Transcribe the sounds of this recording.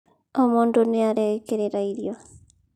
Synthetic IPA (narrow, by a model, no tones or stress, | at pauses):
ɔmondoneaɾɛkeɾeɾaiɾjɔ